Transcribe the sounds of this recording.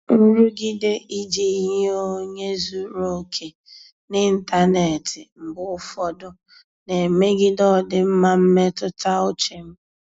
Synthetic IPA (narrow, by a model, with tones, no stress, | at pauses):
n̩˦ɾu˦ɡɪ˦de˦ʔi˦d͡ʒe˨i˦ɦe˦o˦ɲe˦zu˦ɾo˨kʰe˨ | nɪ˦n̩˦ta˦ne˨tɪ˨m̩˨ɡ͡bʊ˦ʊ˦fɔ˦dʊ˦ | ne˨me˦ɡɪ˦dɔ˦˨dɪ˦m̩˦ma˦m̩˦me˦tʊ˦ta˦ʊ˦t͡ʃe˨m̩˦